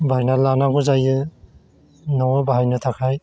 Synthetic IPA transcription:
bajnalanaɡɔzajɯ | nɔbaɦajnɯtʰakʰaj

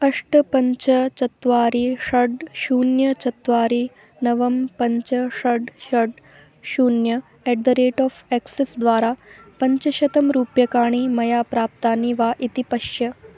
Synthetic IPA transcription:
ɐʂʈɐpɐɲt͡ʃɐt͡ʃɐt̪ʋaːɾiʂɐɖʃuːnjɐt͡ʃɐt̪ʋaːɾiː | nɐʋɐmpɐɲt͡ʃɐʂɐɖʃɐɖ | ʃuːnjɐ | eɖd̪ɐɾeːʈɔːfeksesd̪ʋaːɾaːpɐɲt͡ʃɐʃɐt̪ɐmɾuːpjɐkaːɳ̃iːmɐjaːpɾaːp̚t̪aːniʋaːʔit̪ipɐʃjɐ

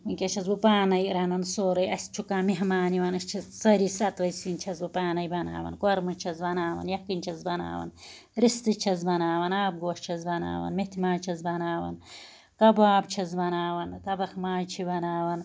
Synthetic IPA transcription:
inkʲet͡ʃʰɐzbupaːnɐjɾɐnɐnsoːɾɐjɐsʲt͡ʃʰukaːmiɦmaːniwɐnɨst͡ʃʰɐzsɐɾisɐt̪ʋɐsint͡ʃʰɐzbɨpaːnɐjbɐna̰ːwɐ̰nkwɐɾmɨt͡ʃʰɐzbɐnaːwɐ̰njɐkinʲt͡ʃʰɐzbɐna̰ːwɐ̰n | ɾist̪ɨt͡ʃʰɐzbɐnaːwɐnaːb̚ɡoːʃt͡ʃʰɐzbɐna̰ːwɐ̰nmet̪ʰimaːt͡ʃʰɐzbɐnaːwɐ̰n | kɐbaːbt͡ʃʰɐzbɐnaːwɐnt̪ɐbɐxmaːjt͡ʃʰibɐnaːwɐn

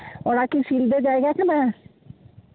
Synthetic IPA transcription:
ɔɽakiʃild̪eɾd͡ʑajɡakʰena

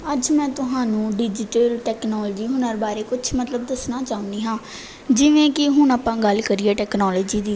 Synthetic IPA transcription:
əd͡ʒmɛ̃ːt̪ʊɦãːnũːɖɪd͡ʒɪʈəlʈɛːknɔːlːd͡ʒiːɦʊnəɾbaːɾeːkʊt͡ʃʰmət̪ləbd̪əsnaːt͡ʃaːʊ̃nd̪iːɦãː | d͡ʒɪʋẽːkɪɦʊɳaːpãːɡəlkəɾieːʈɛːknɔːloːd͡ʒiːd̪iː

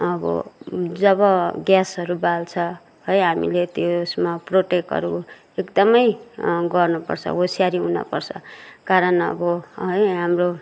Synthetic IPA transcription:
ʌbʌ̰d͡zʌβʌɡjasʌɾubalt͡sʰʌ | ɦʌjɦamḭlet̪osmaproʈekɦʌ̰ɾu | ekd̪ʌmʌjɡʌrnupʌ̰rt͡sʰʌ̰osijaɾiɦunʌ̰pʌrt͡sʰʌ̰kaɾʌnʌ̰bʌɦʌjɦamro

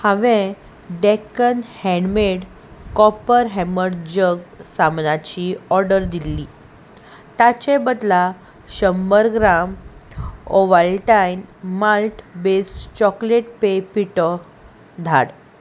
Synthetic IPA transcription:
həʋẽ | ɖekənhɛ̃ɳɖmeɽ | kɔpəɾɦɛməɽd͡ʑəɡsamnat͡ɕiɔɾɖəɾd̪ilːi | t̪at͡ɕebəd̪la | ɕəmbəɾɡɾam | oʋəlʈajnmalʈbesʈt͡ɕɔkleʈ̚pepiʈə | d̪ʱa̰ɽ

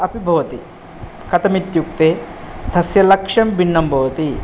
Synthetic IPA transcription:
ɐpibʱɐʋɐt̪i | kɐt̪ɐmit̪juk̚t̪eːd̪ʰʱɐsjɐlɐkʂɐmbinːɐmbʱɐʋɐt̪i

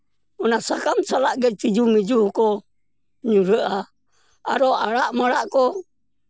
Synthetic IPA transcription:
ɔnasakamsalaʔɡɛt̪id͡ʒumid͡ʒuko | ɲuɾəʔa | a̰ɾoaɾaʔmaɾaʔkɔ

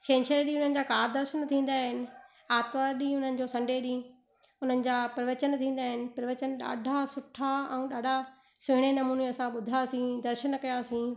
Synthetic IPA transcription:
ʃẽːnʃəɾɗĩʊn̤ənɪ̆d͡ʑaːkaːɾd̪ɐɾʃənt̪ʰĩːn̆d̪aːɦɪnɪ̆ | aːt̪ʋaɾɗĩːɦʊn̤ənɪ̆d͡ʑoːsɐ̃ɳɖʱeɗĩː | ʊn̤ənɪ̆d͡ʑaːpɾɐʋət͡ɕənt̪ʰĩːn̆d̪aːɦɪnɪ̆pɾɐʋət͡ɕənɗa̰ːɖʱasʊʈʰːaɛ̃ũɗaːɖʱa | sʊɦɪɽ̃enɐmuːneɐsãɓʊd̪ʱaːsĩd̪ɐɾʃənkɐjaːsĩː

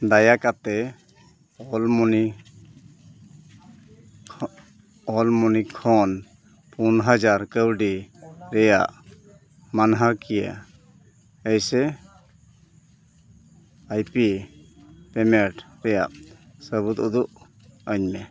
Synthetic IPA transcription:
d̪ajakat̪ɛ | ɔlmɔni | ɔlmɔnikʰɔn | punɦad͡ʒaɾkəwɖiɾɛja̰ʔ | manɦakijə̰ | əjsɛ | ajpi | pɛmɛʈɾɛja̰ʔsəbut̪ud̪uʔ | əɲmɛ

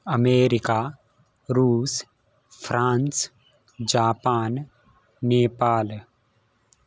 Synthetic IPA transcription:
əmeːɾɪka | ɾuːs | fʰɾãːns | d͡ʒaːpaːnː | eːpaːl

